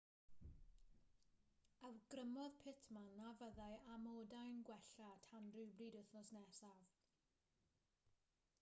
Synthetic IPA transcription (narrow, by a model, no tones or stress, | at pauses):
awɡ̥rəmɔðpʰɪtʰmanavəðajamoːdajnɡwɛɬatʰanrɨwbriːdʊθnɔsnɛsav